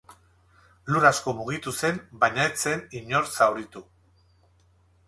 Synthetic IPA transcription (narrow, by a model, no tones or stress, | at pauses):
luɾasko̞muɣ̞it̪use̞mbajɲaet͡se̞niɲo̞ɾsawɾit̪u